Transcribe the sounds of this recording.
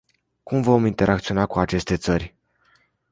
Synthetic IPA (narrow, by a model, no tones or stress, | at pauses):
kumvo̞mint̪e̞ɾʔak̚t̪sio̞nakuat͡ʃe̞st̪e̞t̪sərʲ